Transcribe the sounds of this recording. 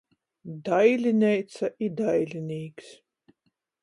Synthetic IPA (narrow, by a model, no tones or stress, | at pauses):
d̪ajlʲinʲɛjt̪saʔid̪ajlʲinʲiːks